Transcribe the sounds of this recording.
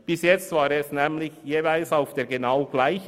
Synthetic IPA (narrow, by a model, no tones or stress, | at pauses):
b̥ɪsjɛt͡st̪v̥aːɾɛsnɛːmlɪçjeːvaɪlsaʊfd̥eːɾɡenaʊɡ̥laɪç